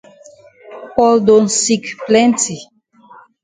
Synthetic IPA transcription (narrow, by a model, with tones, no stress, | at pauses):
pɔ˨ldo˨nsi˨kplɛ˦nti˨